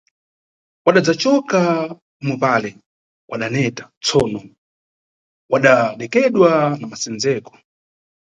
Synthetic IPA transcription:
waɗad͡zat͡ʃɔka | mubalɛ | wʔaɗanɛtḁt͡sɔnɔ | waɗaɗɛkɛɗwanamasɛnd͡zɛːkɔ̥

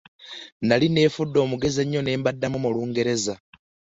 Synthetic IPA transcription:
naline̞ːfudːo̞ːmuɡe̞ze̞ɲːo̞ne̞ːmbadːamumuluːŋɡe̞ɾe̞za

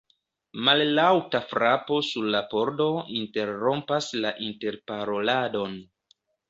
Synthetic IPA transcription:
malːawtafɾapo̞suɾlapo̞ɾdo̞inte̞ɾːo̞mpaslaʔinte̞ɾpaɾo̞lado̞n

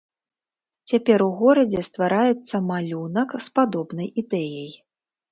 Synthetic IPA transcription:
t͡sʲapʲɛɾuɣɔɾɐd͡zʲɛst̪vaɾajɛt̪sːɐmalʲunɐkspad̪ɔbnɐjid̪ɛjɐj

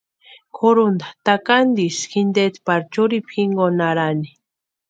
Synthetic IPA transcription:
kʰoɾund̪at̪akand̪isxind̪et̪paɾt͡ʃuɾipxiŋɡonaɾani

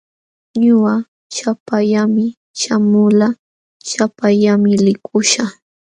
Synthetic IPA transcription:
ɲʊɢa | t͡ʃapaʎamɪ | ʃamʊla | t͡ʃapaʎamɪlɪkʰʊʃa

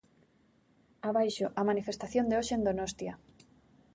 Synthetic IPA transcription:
aβajʃʊʔɐmanifest̪aθjond̪eoʃeend̪onost̪ja

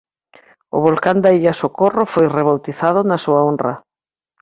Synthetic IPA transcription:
ʊ̰βolkand̪aiʎasokorʊfojreβ̞awt̪iθaðʊnɐsuɐonrɐ

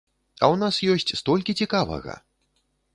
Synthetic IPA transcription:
ɐ̰wnasjɔsʲt͡sʲst̪ɔlʲkʲit͡sʲikavɐ̰ɣɐ̰

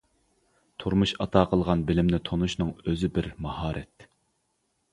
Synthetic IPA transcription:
t̪ʰuɾmuʃɑt̪ʰɑːqʰəlˠʁɑnbɪlɪmnɪt̪ʰonuʃnɨŋøzɪbɪɾmɑhɑːɾɛ̰t̪

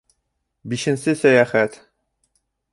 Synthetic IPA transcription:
biʃɘ̆nsɘsæjæːχæt̪

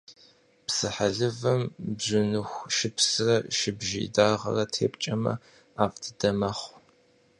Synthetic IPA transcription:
psɨħaɮɨvɐmbzʊnɨxʷʃɪpʰsɨrɐʃɪbʒɪḭdaːʁɐ̰rɐtʰeːpʼt͡ʃʼɐmɐ̰ | aːfdʰɨdɐmɐχʷ

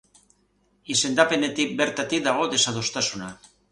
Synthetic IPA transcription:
ise̞nd̪ape̞ne̞t̪ik̚be̞ɾt̪at̪ikd̪aɣ̞o̞ðe̞saðo̞st̪asuna

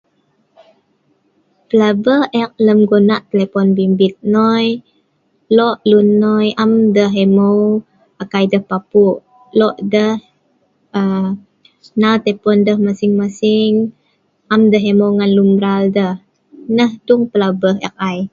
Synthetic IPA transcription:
pəlabəhɛk̚ləmɡonaʔt̪əlepɔnbimbit̪̚nɔj | lɔʔlunːɔjʔamdəɦɛmow | akajdəhpapuʔ | lɔʔdəh | ə | nawt̪əpɔndəhmasɪŋmasiɪŋ | ʔamdəɦemowŋanlumbɾaldəh | nəhduŋpəlabəɦɛ̰k̚aj

